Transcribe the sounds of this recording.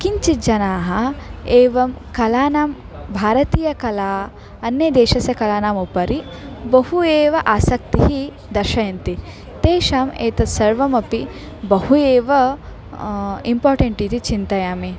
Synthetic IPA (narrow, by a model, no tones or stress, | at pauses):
kiɲt͡ʃid͡ʒɐnaːɦɐeːʋɐmkɐlaːnaːm | bʱaːɾɐt̪iːjɐkɐlaː | ɐnːed̪eːʃɐsɐkɐlaːnaːmupɐɾibɐhueːʋɐʔaːsɐk̚t̪iɦi | d̪ɐɾʃɐjɐnt̪i | t̪eːʃaːmeːt̪ɐt̪sɐɾʋɐmɐpi | bɐhueːʋɐ | impoːɾʈɐɳʈiːt̪it͡ʃint̪ɐjaːmi